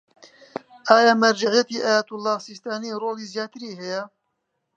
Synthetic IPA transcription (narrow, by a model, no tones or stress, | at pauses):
ʔaːjaːmɐɾd͡ʒaʕjɛt̪iːʔaːjat̪ʊlːɑːhsist̪aːniːroːliːzjaːt̪ɨɾiːhɛjɛ